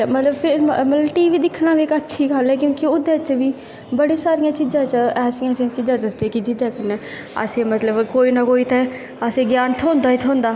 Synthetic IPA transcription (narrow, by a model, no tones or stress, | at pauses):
mət̪ləbpʰɪɾmət̪lbʈiːʋiːd̪ɪkʰnãːʋeːkətːʃʰiːɡəlɛːkjõːkiʊd̪ẽːt͡ʃʋiː | bəɽeːsaːɾɪjãːt͡ʃizãːt͡ʃɛːsijãːsĩãːt͡ʃid͡ʒãːd̪əsd̪eːkid͡ʒɪd̪eːkʰənɛː | ə̰sẽːmət̪ləbkoːiːnaːkoːiːt̪ɛ | əsẽːɡjaːnt̪ʰõːnd̪aːit̪ʰõːnd̪aː